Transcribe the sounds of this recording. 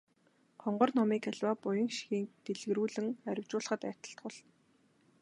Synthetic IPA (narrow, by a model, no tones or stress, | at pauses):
χɔɴɢɞ̆rnɔmiːkæɮʲwaːpʊjɞ̆ŋʃi̥xiːnt̪eɮɣɘ̆ɾuːɮɘ̆ŋæɾʲɪ̆wt͡ɕʊːɮə̆χə̆t̪æ̥ːt̪ə̆ɬt̪ɢʊ̆ɮ